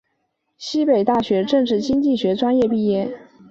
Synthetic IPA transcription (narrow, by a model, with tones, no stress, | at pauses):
ɕi˥pe˨˩ɪt̪a˥˩ɕɥɛ˧˥ʈ͡ʂɤ˥˧ŋʈ͡ʂɻ̩˥˩t͡ɕi˥ŋt͡ɕi˥˩ɕɥɛ˧˥ʈ͡ʂwa˥njɛ˥˧pi˥˧jɛ˥˩n